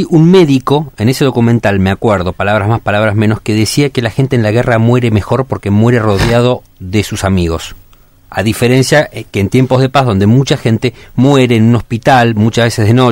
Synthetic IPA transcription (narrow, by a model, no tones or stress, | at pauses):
ʔunme̞ðiko̞e̞nese̞ð̞o̞kumẽ̞nt̪almeakweɾðo̞palaβ̞ɾazmaspalaβ̞ɾazmẽno̞ske̞ðesiakelaxe̞nt̪eːnlaɣeramwe̞ɾe̞me̞xo̞ɾpo̞ɾkemwe̞ɾero̞ðjað̞o̞ | ðe̞susamiɣo̞s | a̰ðife̞ɾe̞nsjakeːnt̪je̞mpo̞zð̞e̞pazðo̞nd̪e̞mut͡ʃaxe̞nt̪e̞mwe̞ɾeːnũno̞spit̪almut͡ʃazβesezðeno̞